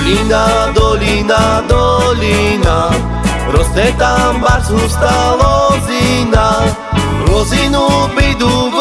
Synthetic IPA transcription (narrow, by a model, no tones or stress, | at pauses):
inad̪ɔlinad̪ɔlina | ɾɔzd̪ɛt̪ambaɦust̪alɔzina | ɾɔzinubid̪uɡ